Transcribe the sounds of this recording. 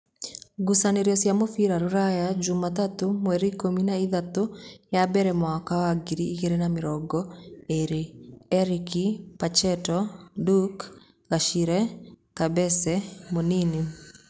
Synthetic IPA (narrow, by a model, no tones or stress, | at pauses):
ɡusaneɾjɔsjamofiɾaɾuɾajad͡ʒumat̪at̪omwɛɾikominaiðat̪ojabɛɾɛmwakawaɡiɾiːkeɾenamɪɾɔɡɔeɾeɛɾikipat͡ʃɛtɔduk | ɡaʃiɾɛkabɛsɛmonini